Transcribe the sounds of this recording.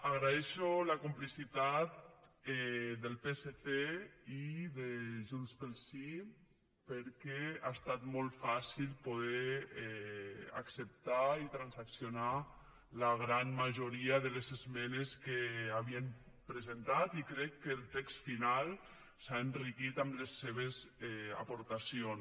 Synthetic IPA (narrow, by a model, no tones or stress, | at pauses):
aɣɾaeʃolakumplisit̪at̪̚ɛd̪əlˠpeset̪eiðeʒunspəlˠsi | pəɾkɛast̪at̪mɔlˠt̪fasilpoð̞ɛɛa̰ksep̚t̪ait̪ɾansaksjona | laɣɾanmaʒoɾiaðəlezezmɛneskeaβiəm | pɾəzent̪at̪ikɾɛkːəːlˠt̪ɛkst̪final | saenrikit̪amlesːeβ̞ezɛa̰poɾt̪asion